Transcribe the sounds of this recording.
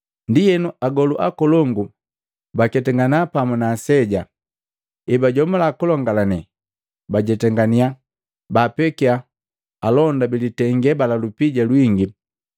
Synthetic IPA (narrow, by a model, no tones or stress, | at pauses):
ndijɛnuʔaɡɔluʔa̰kɔlɔŋɡu | bakɛtɛŋɡanapamunaːsɛɟa | ibaɟɔmulakulɔŋɡalanɛ | baɟɛtɛŋɡania | baːpɛkia | alɔndabilitɛŋɡɛbalalupiɟalwiŋɡi